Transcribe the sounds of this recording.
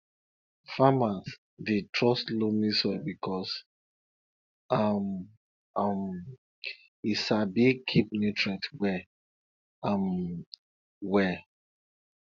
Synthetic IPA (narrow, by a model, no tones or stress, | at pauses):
famas | ditʰɹɔslomisɔbikʰɔs | am | am | isabikʰip̚nitɹɛtwɛ | am | wɛ